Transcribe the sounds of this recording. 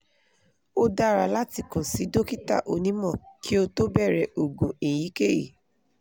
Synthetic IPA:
o˦da˦˨ɾa˧˨la˦ti˦˨kɔ̃˨si˨˦do˦ki˦ta̰˦˨ʔo˧nĩ˨˦mɔ̃˦˨kʰi˦o˧to˦bɛ˦˨ɾɛ˨o˨ɡũ˨ĩ˨ji˨˦ke˦˨jḭ˨

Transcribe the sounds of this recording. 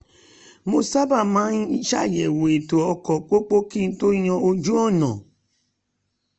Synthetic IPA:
mo˧sa˦ba˦˨mã˦i˦ʃa˦˨jɛ˨wo˨e˨to˨ɔ˧kɔ˨k͡po˦k͡po˦ki˦˨n̩˦to˦i˦ɲɔ̃˧o˧d͡ʒu˦ɔ˦˨nɔ̃˨

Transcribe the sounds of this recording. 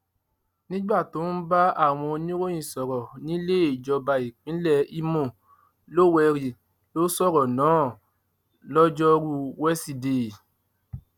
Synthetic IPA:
nĩ˦ɡ͡ba˦˨to˨˦n̩˦ba˦a˦˨w̃ɔ̃˧o˧nĩ˦ɾo˦j̃ĩ˦˨sɔ˨ɾɔ˨nĩ˦le˦˨d͡ʒɔ˧ba˨i˨k͡pĩ˨˦lɛ˦˨i˧mɔ̃˨ | lo˦˨wɛ˧ɾi˨ | lo˦sɔ˦˨ɾɔ˨nãː˨˦ | lɔ˦d͡ʒɔ˦ɾu˦wɛ˦si˧de˨

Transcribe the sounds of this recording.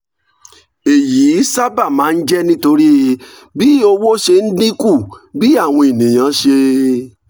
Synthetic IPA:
e˨jiː˨˦sa˦ba˦˨mãː˨˦n̩˦d͡ʒɛ˦nĩ˦to˧ɾi˦˧ | bi˦o˧wo˦ʃe˧n̩˦dĩ˦ku˦˨bi˦a˦˨w̃ɔ̃˧e˨nĩ˨j̃ã˨˦ʃe˧

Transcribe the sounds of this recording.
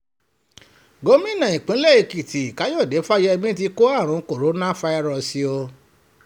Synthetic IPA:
ɡo˨˦mĩ˦nã˨ĩ˨k͡pĩ˨˦lɛ˦˨i˧˨ki˨tʰi˨i˨ka˨˦jo˦˨de˨˦fa˦jɛ˧bĩ˦ti˧ko˦a˦˨ɾ̃ũ˨˦ko˦˨ɾo˨˦nã˦fa˧i˧ɾɔ˧˨si˧o˧

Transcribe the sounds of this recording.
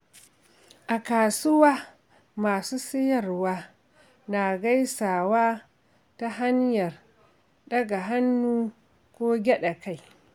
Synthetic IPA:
ʔa˨kaː˨sʊ˦waː˦ | maː˨suː˦sɪ˦jɐ˨rwaː˦ | na˨ɡa˦jsaː˨waː˦ | ta˦ɦa˦ɲjɐ˨r | ɗɐ˦ɡa˨ɦa˦nːuː˦ | kʷoː˦ɡʲɛ˦ɗa˨ka˦j

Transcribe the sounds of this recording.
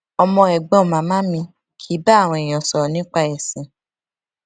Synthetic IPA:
ɔ˧mɔ̃˧ɛ˨ɡ͡bɔ̃˦˨mã˨˦mã˦mĩ˧ | kʰi˨˦ba˦˨w̃ɔ̃˧i˨j̃ɔ̃˨sɔ˨nĩ˨˦k͡pa˧ɛ˨sĩ˨

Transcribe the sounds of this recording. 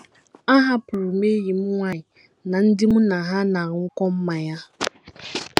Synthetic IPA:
a˦ɦa˦pʊ˨ɾʊ˨me˦ɣi˨m̩˦ŋʷa˦˨ɲɪ˨ | na˨n̩˦dɪ˦mʊ˦na˨ɦa˦na˨ɾʊ˨ŋ̩˦kɔ˦m̩˦ma˨ja˦

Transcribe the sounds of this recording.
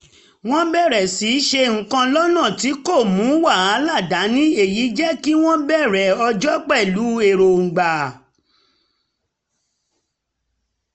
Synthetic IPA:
w̃ɔ̃˦bɛ˦˨ɾɛ˨si˨˦ʃe˧ŋ̩̃˨kã˧lɔ˦nã˦˨ti˨˦ko˦˨mũ˨˦wa˦˨a˨˦la˦˨da˨˦nĩ˦e˦˨ji˨˦d͡ʒɛ˦ki˦w̃ɔ̃˦bɛ˦˨ɾɛ˨ɔ˧d͡ʒɔ˦k͡pɛ˦˨lu˨˦e˧˨ɾo˨ŋ̩˨ɡ͡ba˨

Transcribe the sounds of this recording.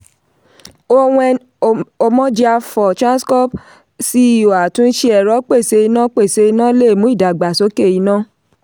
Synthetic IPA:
o˧wũ˧ | o˧mɔ̃˧d͡ʒi˧a˧fɔ˨t͡ʃã˦n˦skɔ˦p | si˦˨o˨a˨tũ˨˦n̩˦ʃi˦˧ɛ˨ɾɔ˨˦k͡pe˦˨se˨˧˦i˧nã˦k͡pe˦˨se˧˦i˧nãː˦le˦˨mũ˦i˦˨da˨ɡ͡ba˨so˨˦ke˦˨i˨˧˦nã˦˨

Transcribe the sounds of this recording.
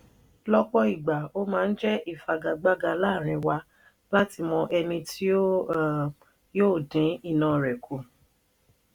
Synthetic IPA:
lɔ˦k͡pɔ˦i˨ɡ͡ba˨o˦mãː˦˧n̩˦d͡ʒɛ˦ʔi˦˨fa˨ɡa˨ɡ͡ba˦ɡa˧laː˦˨ɾ̃ĩ˧wa˧ | la˦ti˧mɔ̃˧ʔɛ˧nĩ˧tʰi˦o˦ | joː˦˨dĩ˨˦i˦˨nã˨ɾɛ˨kʰo˨

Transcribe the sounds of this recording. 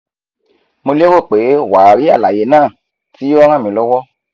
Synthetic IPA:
mo˧le˦wo˦˨k͡pe˨˦wa˨ɾi˨˦a˦˨la˨je˨˦nãː˦˨ | ti˨˦ɔ˧ɾ̃ã˦˨mĩ˨˧˨lɔ˦wɔ˦

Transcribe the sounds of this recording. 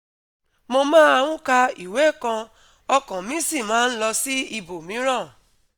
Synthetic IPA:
mo˧mãː˦a˧wũ˦ka˧i˨we˨˦˨kã˧ | ɔ˧kã˨mĩ˨˦si˦˨mãː˨˦n̩˦lɔ˧si˦i˧bo˨mĩ˨˦ɾã˦˨

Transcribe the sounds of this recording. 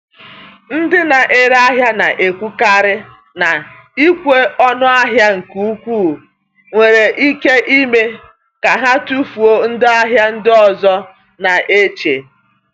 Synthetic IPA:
n̩˦dɪ˦na˨ʔe˦ɾa˦ɦja˦na˨ʔe˨kʷu˦ka˦ɾɪ˦ | na˨ | i˦kʷe˦ɔ˦nʊ˦a˦ɦja˦ŋ̩˨ku˨u˦kʷuː˦˨ | ŋʷe˨ɾe˨ʔi˦ke˦ʔi˦me˦ | ka˨ɦa˦tu˦fu˨o˦n̩˦dɪ˦a˦ɦja˦n̩˦dɪ˦ɔ˨zɔ˦ | na˨ʔe˦t͡ʃe˨

